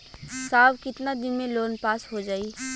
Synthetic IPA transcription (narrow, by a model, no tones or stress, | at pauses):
saːbkɪt̪nad̪ɪnmẽloːnpaːsɦod͡ʒaːiː